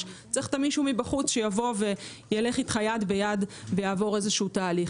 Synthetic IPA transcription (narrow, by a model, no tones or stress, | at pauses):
t͡seχt̪amiʃumibaχut͡sʃe̞javo̞ve̞ | jele̞χitχajadbejadvejaːvo̞ʁezeʃutaːliχ